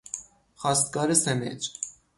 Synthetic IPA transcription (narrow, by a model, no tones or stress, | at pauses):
χɑst̪̚kɑɾəsɛmɛ̰t͡ʃ